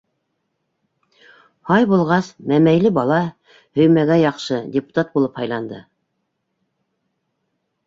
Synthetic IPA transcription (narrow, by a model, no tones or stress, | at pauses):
hɑjbulˠʁɑsmæmæjlɘbɑlˠɑ | hɵ̆jmæɡæjɑqʃɤdʲepu̥t̪at̪̚bulˠɤphɑjlˠɑnd̪ɤ